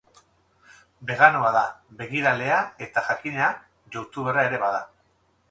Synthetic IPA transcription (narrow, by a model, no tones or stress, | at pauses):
be̞ɣanoaðabe̞ɣiɾale̞ae̞t̪aʝakine̞a | ʝowt̪uβerae̞ɾe̞βaða